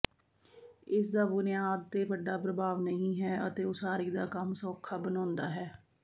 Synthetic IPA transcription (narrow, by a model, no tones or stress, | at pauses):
ɪs̬d̪aːbʊnɪjaːd̪̚t̪eːbəɖaːpɾəbaːʋnəɦĩːɦɛːət̪eːʊsaːɾiːd̪aːkəmsɔːkʰːaːbənãːnd̪aːɦɛː